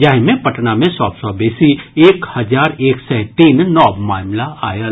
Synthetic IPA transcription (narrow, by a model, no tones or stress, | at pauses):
d͡ʒaːɦmẽpɐʈnamẽsɔːbsɔbeːsieːkhɐzaːɾeːksɛ̃ːt̪iːnnɔːbmaːmlaaːja